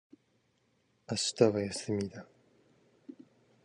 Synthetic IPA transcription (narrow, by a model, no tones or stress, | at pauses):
aɕi̥t̪aβajasɨmʲid̪a